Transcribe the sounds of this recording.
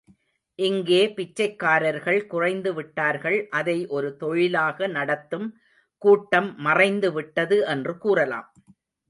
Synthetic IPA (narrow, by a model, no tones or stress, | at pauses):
ʔɪŋɡeːpɪt͡ʃːɐɪkːaːɾɐɾɣɐɭkʊrɐɪnd̪ɯʋɪʈːaːɾɣɐɭʔɐðɐɪʔɔɾɯt̪ɔɻɪlaːɣɐnɐɽɐt̪ːɯm | kuːʈːɐmːɐrɐɪnd̪ɯʋɪʈːɐðɯʔɛndrɯkuːrɐla̰ːm